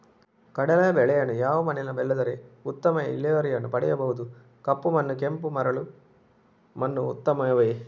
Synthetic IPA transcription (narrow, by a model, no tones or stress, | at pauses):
kɐɽɐlɐɐbɛɭɛjɐnːujaːʋɐmɐnɛnɐbɛlːɐd̪ɐɾeut̪ːɐmɐḭlːiʋɐɾɛjɐnːupɐɽɛjɐbɐɦud̪u | kɐpːumɐnːukempumɐɾɐɭu | mɐnːuːt̪ːɐmɐɐʋeː